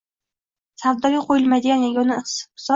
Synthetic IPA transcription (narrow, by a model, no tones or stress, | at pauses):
savd̪ɒɾijqʰojɪlˠmajd̪ɪɡʲanjaɡʲonɪs